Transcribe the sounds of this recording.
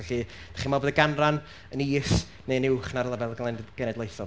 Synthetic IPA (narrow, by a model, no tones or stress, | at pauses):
ɛɬi | d̥aχimaboːdəɡanran | əniːs | nejnɪwχnaɾlˠəbɛlˠɡɛɡ̥ənɛdlˠejθɔ